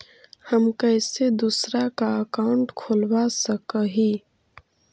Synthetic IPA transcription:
həmkəːsed̪usɾakaəkaːʊɳʈkʰʊlwasəkəɦiː

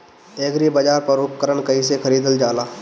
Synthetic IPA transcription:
eːɡɾibɐd͡ʒaːɾpɐɾʊp̚kəɾəɳkɐĩsekʰɐɾiːd̪əld͡ʒaːlaː

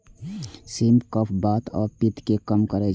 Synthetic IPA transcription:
simpkəpʰbaːt̪ɔːɾpɪt̪kekəmkəɾe

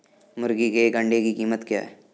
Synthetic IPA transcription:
mʊɾɡikeɡə̃ɳɖekikiːmət̪kja̰ːɦɛː

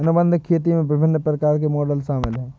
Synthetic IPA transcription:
ɐnobə̃nd̪ʱkʰeːt̪̬imẽbɪbʱɪnːəpɾəkaːɾkemɔːɖəlʃaːmɪlɦɛː

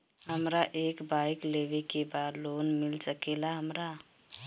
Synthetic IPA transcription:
ɦəmɾaʔekbajklebekebad̪lonmilsəkelaɦəmɾa

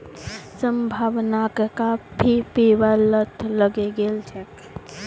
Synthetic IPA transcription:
səmbʱaːʋnakkabʱipeːʋalət̪ʰləɡeɡeːlt͡ʃʰ

